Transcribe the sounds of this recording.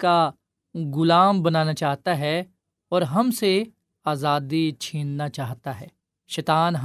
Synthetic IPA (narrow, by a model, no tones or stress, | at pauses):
ka | ɡʊlaːmbɐnaːnat͡ʃaːɦt̪aɦɛ | ɔːɾɦɐmse | aːzaːd̪it͡ʃʰiːnnat͡ʃaːɦt̪aɦɛː | ʃɛːt̪aːnɦ